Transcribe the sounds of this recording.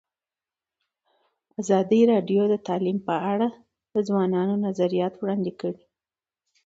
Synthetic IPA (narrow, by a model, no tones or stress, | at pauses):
azɑd̪iɾɑɖjod̪ət̪ɑlimpəaɽa | d̪̥əzwɑnɑnonazaɾijɑt̪wɽɑnd̪ekəɽi